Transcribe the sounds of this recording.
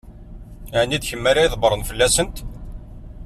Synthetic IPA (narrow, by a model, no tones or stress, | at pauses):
ʕnid̪çəmːaɾaiðˤbəɾˤənfəlːæsənt̪